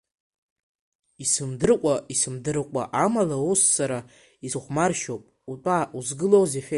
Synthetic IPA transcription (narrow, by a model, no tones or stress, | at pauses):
isɨmdɨrqʷʼaisɨmdɨrqʷʼa̰ʔamalausːaɾa | izχʷmarʃopʼutʷʼaːuzɡɨlowzeħʲʷᶣe